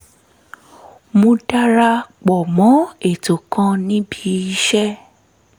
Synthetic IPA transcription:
mõ˧da˦ɾa˧k͡pɔ˨mɔ̃˨˦e˦˨to˨kã˧nĩ˦bi˨˦i˦ʃɛ˦

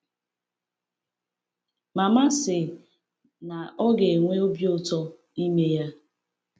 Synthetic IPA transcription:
ma˨ma˦sɪ˨ | na˨ɔ˦ɡe˨ŋʷe˦o˦bjo˦tɔ˦ | i˦me˦ja˦

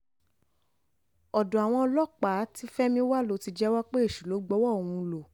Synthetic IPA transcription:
ɔ˨dɔ̃˨a˨w̃ɔ̃˧ɔ˧lɔ˦k͡pa˨˦ti˦fɛ˦mĩ˧˦wa˦lo˦ti˧d͡ʒɛ˦wa˦k͡pe˦e˦˨ʃu˨lo˨˦ɡ͡bɔ˦wɔ˦õ˨ũ˧lo˨

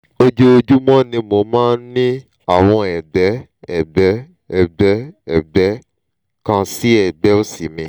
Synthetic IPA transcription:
o˧d͡ʒo˦o˧d͡ʒu˦mɔ̃˦nĩ˧mo˧mãː˦nĩ˦ | a˦˨w̃ɔ̃˧ɛ˨ɡ͡bɛ˨˦ | ɛ˨bɛ˨˦ | ɛ˨bɛ˨˦ɛ˦˨bɛ˨˦ | kã˧si˦ɛ˦˨ɡ͡bɛ˨˦o˦si˨mĩ˧

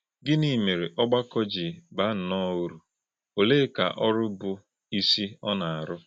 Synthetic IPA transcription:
ɡɪ˦ni˦˨me˨ɾe˨ʔɔ˦ɡ͡ba˦kɔ˦d͡ʒɪ˨ba˨˦n̩˨nɔ˦u˦ɾu˨ | o˨le˦ka̰˨ʔɔ˦ɾʊ˦bʊ˨ | i˦si˦ɔ˦na˨a˨ɾʊ˦

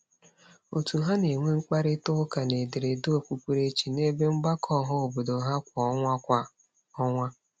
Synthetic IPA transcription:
o˨tu˨ɦa˦ne˨ŋʷe˦ŋ͡m̩˦k͡pa˦ɾɪ˦tʊ˦ka˨ne˨dɪ˨ɾe˨do˦o˦˨kʷu˦kʷu˦ɾe˦t͡ʃi˨ne˦be˦ŋ͡m̩˦ɡ͡ba˦kʰɔ˦ɦʊ˦o˨bo˨do˨ɦa˦kʷa˨ɔ˦ŋʷa˦kʷa˨ | ɔ˦ŋʷa˦

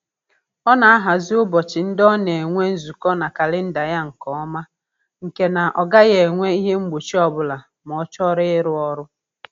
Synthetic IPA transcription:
ɔ˦na˨a˦ɦa˨zɪ˦ʊ˦bɔ˨t͡ʃɪ˨n̩˦dɔ˦ne˨e˨ŋʷe˦n̩˦zu˨kɔ˦na˨ka˨lɪ˦n̩˦da˨ja˦ŋ̩˨kɔ˨ɔ˦ma˦ | ŋ̩˨ke˨na˨ʔɔ˨ɡa˦ɣe˨ŋʷe˦i˦ɦe˦ŋ͡m̩˦ɡ͡bo˨t͡ʃi˦ɔ˦bʊ˨la˨ | m˨ɔ˨t͡ʃɔ˦ɾɪ˦ɪ˦ɾʊ˦ɔ˦ɾʊ˦

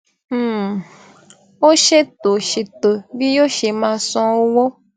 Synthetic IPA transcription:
wo˦ʃe˦t̪o˨ʃe˨t̪o˨vi˦jo˦ʃe˨mã˨sɔ̃˦wo˦wo˦

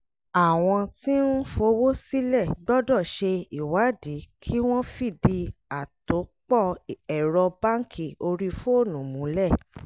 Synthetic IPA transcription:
a˨w̃ɔ̃˧ti˦n̩˦fo˧˦wo˦si˦lɛ˦˨ɡ͡bɔ˦dɔ˦˨ʃe˧i˦˨wa˨˦di˨˦kʰi˦w̃ɔ̃˦fi˦˨di˧a˨to˨˦k͡pɔ˦˨ɛ˨ɾɔ˧ba˦ŋ̩˦˨kʰi˦˨o˧ɾi˧fo˦o˦˨nũ˨mũ˨˦lɛ˦˨

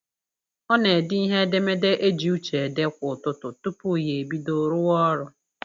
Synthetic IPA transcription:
ɔ˦ne˨dɪ˦i˦ɦe˦de˦me˦de˦ʔe˦d͡ʒi˨u˦t͡ʃe˨de˦kʷʊ˨tʊ˦tʊ˨tu˦pu˦˨je˨e˨bi˦do˨ɾʊ˦wɔ˦ɾʊ˦

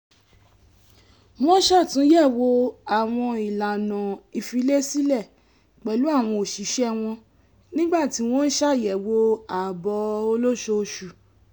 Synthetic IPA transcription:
wɔ̃˦ʃa˦˨tũ˨˦jɛ˦˨wo˧a˨w̃ɔ̃˧i˨la˨nã˨i˧fi˧˦le˦si˦lɛ˦˨ | k͡pɛ˨lu˦a˦˨w̃ɔ̃˧o˨ʃi˨˦ʃɛ˦w̃ɔ̃˧ | nĩ˦ɡ͡ba˦˨ti˨˦w̃ɔ̃˦n̩˦ʃa˦˨jɛ˨wo˧a˨bɔ˧o˧lo˦ʃo˧ʃu˨

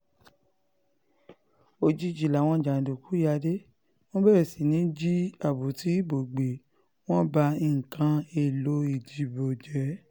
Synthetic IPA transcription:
o˧˨d͡ʒi˨˧˦d͡ʒi˨la˨w̃ɔ̃˧˨d͡ʒa˨n̩˨do˨ku˨˦ja˧de˦ | w̃ɔ̃˦bɛ˦e˨si˨nĩ˨˦d͡ʒi˦a˦˨bu˨ti˨˦bo˨ɡ͡be˨ | w̃ɔ̃˦ba˧i˨ŋ̩˨kʰã˧e˧˨lo˨˦i˦˨d͡ʒi˨˧˦bo˨d͡ʒɛ˨˦

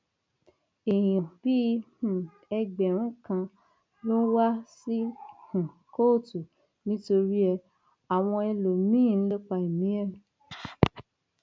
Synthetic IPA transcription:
ẽ˨ɔ̃˨b̥i˦hũ˨ | ɛ˧ɡ͡bɛ˨ɾ̃ũ˦kã˧ | lo˦wa˦si˦hũ˨ | ko˦˨tu˨ | nĩ˦to˧ɾi˦ɛ˧ | a˨w̃ɔ̃˧ɛ˧lo˨mĩ˦˨˦lo˦k͡pa˧i˨mĩ˨˦ɛ˦˨

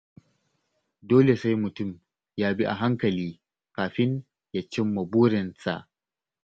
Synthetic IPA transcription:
doː˦le˨sa˦jmʊ˨tʊ˦˨m | jaː˦bi˦ʔa̰˨ɦa˦ŋkɐ˨liː˦ | kaː˨ɸɪ˦n | ja˦t͡ʃɪ˦mːɐ˨buː˦ɾɪ˨nsa̰˨ʔ

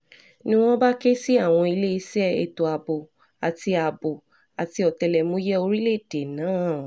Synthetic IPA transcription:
nĩ˦w̃ɔ̃˦ba˦ke˦si˦a˦˨w̃ɔ̃˧i˧le˦i˧sɛ˦ḛ˧˨to˨a˨bo˨ | a˨ti˧a˨bo˨ | a˨ti˧ɔ˨tɛ˧lɛ˨mũ˨˦jɛ˦o˧ɾi˦le˦˨d̥e˨nãː˨˦˨

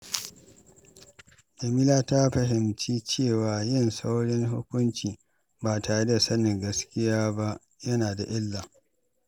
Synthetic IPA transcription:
ʔa˨mi˦laː˦ta˦ɸɐ˨ɦɪ˨mt͡ʃiː˦t͡ʃeː˦˨waː˨jɪ˦˨nsa˦wɽɪ˦ŋɦʊ̰˦kʷʊ˦nt͡ʃiː˨ | ba˨taː˨ɽe˦da˨sɐ˦nɪ˨ŋɡɐ˦skʲɪ˦jaː˦ba˦ʔ | jɐ˦naː˨da˨ʔɪ˦lːaː˨

